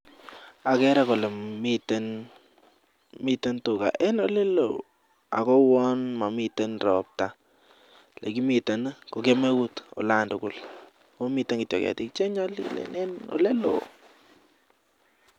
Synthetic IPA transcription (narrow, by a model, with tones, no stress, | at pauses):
a˨kɛ˦ɾa˦ko˨le˨miten | mi˦tə˦ntʊ˨ka̰˨ʔɛ˦no˦le˦lo̰˨ | a̰˨ko˦wɔ˦nma˨mitə˦nrɔp̚ta˨ | le˨ki˦mi˨ta˨nko˨ke˦me˦ku˦to̰˨la˦ndʊkʊ˦l | ko˦mi˦tə˦ŋɡi˨tjo̰˨kɛ̰˨ti˦k̚t͡ʃe˦ɲɔ˦lilḛne˦no̰˨le˦lo̰˨